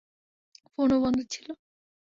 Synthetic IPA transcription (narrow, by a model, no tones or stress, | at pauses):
fonobɔnd̪ʱot͡ɕʰilo